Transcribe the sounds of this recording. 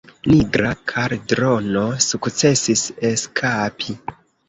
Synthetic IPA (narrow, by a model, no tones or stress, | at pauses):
niɡɾakʰaɾdɾo̞no̞sukt͡se̞sise̞skʰapʰi